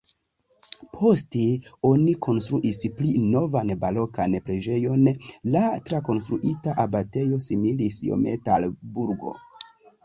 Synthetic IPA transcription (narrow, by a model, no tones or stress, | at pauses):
pʰo̞steo̞nikʰo̞nstɾuʔisplino̞vanbalo̞kanpɾe̞d͡ʒe̞jo̞nlatɾako̞nstɾuʔitaʔabate̞jo̞similisjo̞̰metalbuɾɡo̞̰